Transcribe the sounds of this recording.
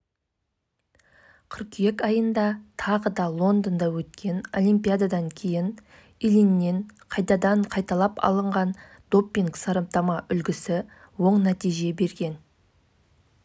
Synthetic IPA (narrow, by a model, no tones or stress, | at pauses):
qʰʏɾqje̞kɑjənd̪ɑt̪ʰɑʁəd̪ɑlˠo̞nd̪ənd̪ɑwɵt̪kʲʰe̞no̞̰lijmpijad̪ad̪ɑŋkʲʰe̞jɪn | ilinːe̞ɴqʰɑjt̪ɑd̪ɑɴqʰɑjt̪ɑlˠɑpɑ̰lˠəɴʁɑn | d̪o̞pːiŋksɑɾɑp̚t̪ɑmɑʔʏlɡʲɪsɪ | wo̞ɴnæt̪ijʒe̞be̞ɾɡʲe̞n